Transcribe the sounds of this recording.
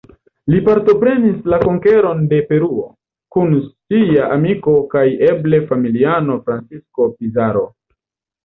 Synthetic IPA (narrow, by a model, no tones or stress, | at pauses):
lipaɾto̞pɾe̞nislakoŋke̞ɾo̞nde̞pe̞ɾuo̞ | kunsiaʔamiko̞kaje̞ble̞familiano̞fɾansisko̞pizaɾo̞̰